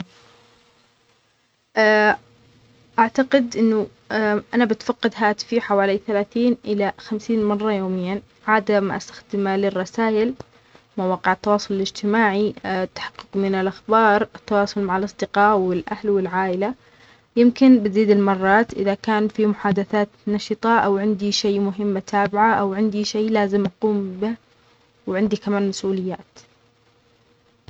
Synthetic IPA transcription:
ʔ | ʔaʕt̪aqɪd̪ʔɪnːʊ | ʔanabɪt̪fɑqːɪd̪ɦaːt̪ɪ̥fiħawaːliθalaːθiːnʔɪlaxamsiːnmɑrˤːɑjoːmɪjːan | ʕaːd̪amʔa̰st̪ḁxd̪ɪmalɪrˤːɑsaːʔɪl | mawaːqɪʕɪt̪ːɑwɑːsˤʊlɪlɪd͡ʒt̪ɪmaːʕit̪ːḁħɑ̥qːɨqmɪnɪlʔaxbɑːɾˤɪt̪ːɑwɑːsˤʊlmaʕalʔɑsˤd̪ɪqɑːʔwɪlʔahlwɪlʕaːʔɪla | jɪmkɪnbɪziːd̪ɪlmɑrˤːɑːt̪ʔɪ̰ðakaːnfimʊħaːd̪aθaːt̪nɑʃɨt̪ˤɑʔawʕɪnd̪iʃeːmʊɦɪmːt̪ʰaːbɪʕaʔawʕɪnd̪iʃeːlaːzɪmʔɑquːmbɪ | wɪʕɪnd̪ikamaːnmasʔuːlɪjːaːt̪

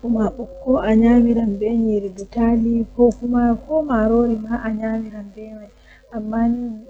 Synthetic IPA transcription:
kumaɓɔkːɔʔaɲaːmiɾambɛɲɛɾidutalikɔkumakɔmaɾoɾimaʔaɲamiɾambɛman | ʔamːaːni

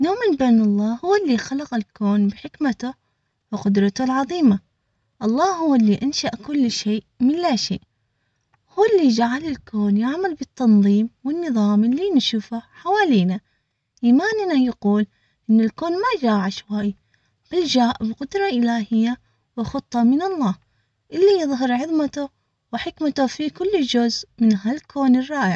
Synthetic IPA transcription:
noːmɪnbeːnɑlˤːɑːhʊwːalːiːxalɑqɪlkoːnbɪħɪkmat̪a | wɪqʊd̪ɾˤɑt̪ʊlʕɑðˤiːma | ʔɑlˤːɑːhʊwːalːiʔanʃaʔkʊlːʃeːʔmɪnlaʃḛːʔ | huːɪlːiːd͡ʒaʕalɪlkoːnjaʕmalbɪt̪ʰːɑnðˤiːmwɪnːɨðˤɑːmɪlːinʃuːfaħawaːliːna | ʔimaːnɪnajaquːl | ʔɪnːɪlkoːnmad͡ʒaːʕaʃwaj | b̥ɪld͡ʒaːʔbqʊd̪ɾˤɑʔɪlaːhɪjːa | wɪxʊt̪ˤːɑmɪnɑlˤːɑːh | ʔɪlːijɨðˤɦɪɾʕɪðˤmat̪a | wɪħɪkmat̪ʊfikʊlːd͡ʒʊzmɪnɦalkʰoːnɪrˤːɑːʔɪʕ

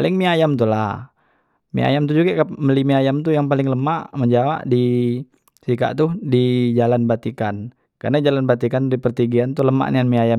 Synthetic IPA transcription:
alɪŋmiajamt̪ulah | mḭa̰jamt̪ud͡ʒuɡakaməlimiajamt̪ujaŋpalɪŋləmaʔməɲd͡ʒawa̰ʔdi | sika̰ʔt̪ʊdid͡ʒalanbat̪ikan | ka̰rnad͡ʒalanbat̪ikandipərt̪iɡiant̪uləma̰ʔnianmiaja

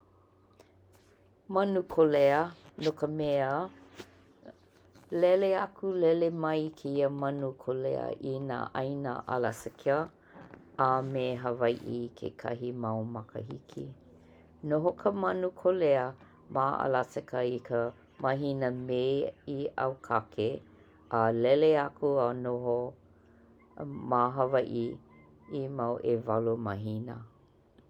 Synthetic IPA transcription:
mɐnukʰoleənokəmeə | lɛleɐkʰulɛlemɐjkʰeiəmɐnukʰolḛə̰ʔina̰ːʔɐjna̰ʔa̰lasɛkʰeə | ameːɦəvɐjʔikʰḛkʰɐ̰ɦimɐwmɐkə̰hḭkʰḭ | noɦokʰəmɐnukʰoleə | maːʔa̰lasekəikʰə | mɐɦinəmeːia̰wkʰakʰe | ʔlɛleakʰuanoɦo | maɦɐvajʔi | imawʔevɐlumɐɦinə

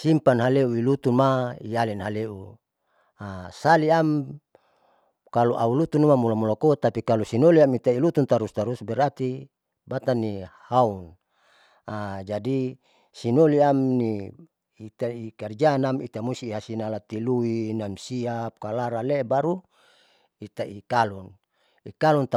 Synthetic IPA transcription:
simpanɦaleuilut̪unmaijalinɦaleu | asaliam | kaluʔaulut̪unuamulamulakot̪apikalusinoliamit̪ailut̪unt̪aɾust̪aɾusbɛɾat̪i | bat̪anːihaun | ad͡ʒadi | sinoliamni | it̪aikard͡ʒaːnamit̪amusiːɦasinalat̪iluinamsiap̚kalaɾalebaɾu | it̪aikalun | ikalunt̪

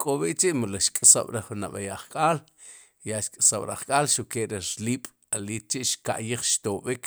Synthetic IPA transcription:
kʼoɓiʔt͡ʃiʔmulaʃkʼasa̰ɓ̥ɾaχunaɓajaχkʼaːl | jaʃkʼasaɓɾaχkʼaːlʃukeʔɾiɾliːɓ̥ | aliːt̪̚t͡ʃiʔʃka̰ʔjiχʃt̪oɓik

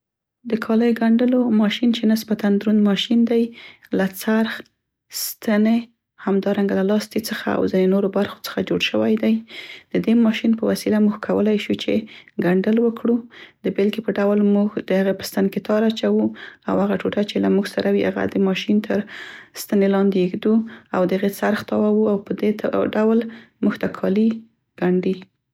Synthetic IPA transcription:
d̪əkʰɑləjɡaɳɖəlomɑʃint͡ʃenasbat̪and̪ɾund̪mɑʃind̪ajlat͡saɾx | st̪ane | hamd̪ɑɾaŋɡalalɑst̪it͡səxaa̰wzɪnenoɾobaɾxo̥t͡sə̥xad͡ʒoɽʃəwajd̪ajd̪̥əd̪emɑʃinpəwasilamuɡkʰawə̰lajʃut͡ʃeɡaɳɖəlwəkɽud̪əbɪlkepəɖawlmuɡd̪̥əhaɣepə̥st̪anket̪ɑɾat͡ʃawua̰whaɣaʈoʈat͡ʃelamuɡsaɾʔawiha̰ɣa̰d̪əmɑʃint̪ʰəɾst̪anelɑnd̪eixd̪uawd̪əaɣesaɾxt̪ɑwawuawpəd̪eɖawl | muɡt̪akʰɑli | ɡ̥aɳɖi

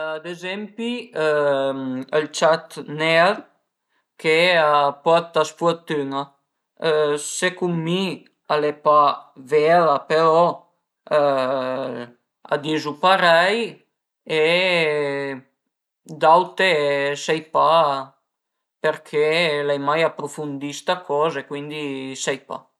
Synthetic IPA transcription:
ad̪ezɛmpi | əlt͡ʃat̪nɛl | keapɔɾt̪asfuɔt̪yŋa | sekumːi | alepavɛlapelɔ | a̰d̪izupaɾɛj | e | d̪awt̪esɛjpa | peɾkʰelɛjmajapːɾufund̪ist̪akɔːzekwind̪isɛjpa̰

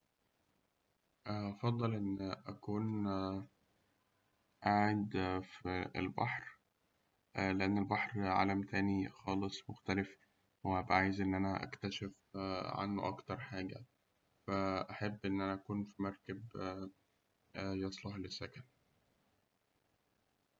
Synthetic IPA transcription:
ʔɑfɑd̪ˤːɑlʔenːʔækuːn | ʔaʕed̪fiḛlbɑ̰ħɾ | leʔænːelbɑħɾʕa̰læmt̪æːnixɑːlesˤmoxt̪ælef | whæbæʔaːjezʔenːʔænæʔæ̰kt̪æʃef | ʕa̰nːo̰ʔɑkt̪ɑɾˤħaːɡæ̰ | fæʔæħebːʔenːʔænæʔækuːnfimɑɾˤkæb | jɑsˤlɑhlesːækæn

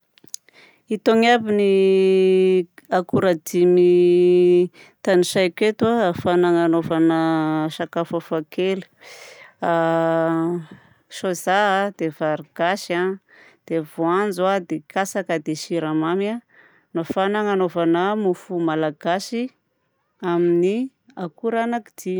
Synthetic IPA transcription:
it̪oŋabini | akuɾad̪imi | t̪aniʃajket̪wafanaŋanovanəʃakafafakʰeli̥ | a | ʃozaɦd̪̥ev̥aɾiɡ̥aʃa | d̪̥evoand͡zwad̪ekʰasakəd̪eʃiɾamama | nafanaŋanovanəmufumalaɡ̥asi | amini | akuɾanaki̥d̪̥im

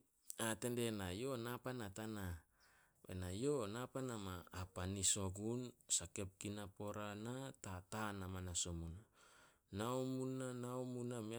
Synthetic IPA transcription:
ate̞nde̞najo̞napanatana | βḛnajo̞napanamaːpaniso̞ɡunsake̞p̚kinapo̞ɾanatatanamanasomuna | naomunanaomunami

